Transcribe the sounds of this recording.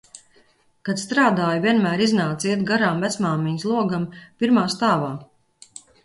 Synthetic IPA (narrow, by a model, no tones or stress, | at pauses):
kat̪st̪ɾaːd̪aːjuvʲiɛnmæːɾiznaːt̪siɛt̪ɡaɾaːmvæt̪smaːmiɲslˠuɔɡampiɾmaːst̪aːvaː